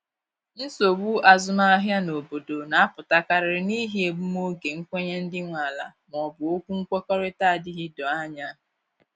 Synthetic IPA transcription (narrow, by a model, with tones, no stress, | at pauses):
n̩˦so˨wu˦a˨zʊ˦ma˦a˦ɦja˦no˨bo˨do˨na˨a˦pʊ˨ta˦ka˨ɾɪ˨ɾɪ˨ni˦ɦi˦e˨bu˦m˦o˦ɡe˨ŋ̩˦kʷe˦ɲe˦n̩˦dɪ˦ŋʷa˨la̰˨m˨ɔ˨bʊ˨o˦kʷu˦ŋ̩˦kʷe˦kɔ˦ɾe˦ta˦a˨dɪ˦ɦɪ˦dɔ˨a˦ɲa˦˨